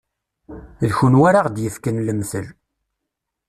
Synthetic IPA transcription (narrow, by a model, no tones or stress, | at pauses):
lçunwaɾaʁd̪jəfkənləmθəl